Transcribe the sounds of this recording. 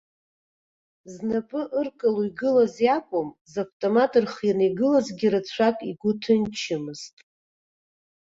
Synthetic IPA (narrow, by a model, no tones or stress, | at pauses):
znapʼɨʔɨrkʼaluiɡɨlazjakʷʼʊmzavtʼomatʼɨrχjanejɡɨlazɡʲiɾɨt͡sʷʰakʼiɡʷʊtʰɨnt͡ʃʰɪmɨz̥tʼ